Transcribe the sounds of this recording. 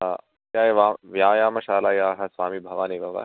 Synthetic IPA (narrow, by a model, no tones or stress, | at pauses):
a | kaːeʋaːʋjãːjaːmɐʃaːlaːjaːɦɐsʋaːmibʱɐʋaːnibʱɐʋa̰